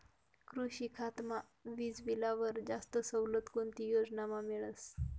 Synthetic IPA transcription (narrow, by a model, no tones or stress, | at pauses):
kɾuɕikʰat̪ma | ʋiːd͡zʋilaʋəɾd͡zast̪əsəwlət̪kont̪ijod͡znamameɭəs